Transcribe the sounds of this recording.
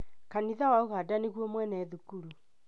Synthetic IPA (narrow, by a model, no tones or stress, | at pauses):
kaniðawaoɣaːdaneɣwɔmwɛnɛðukuɾu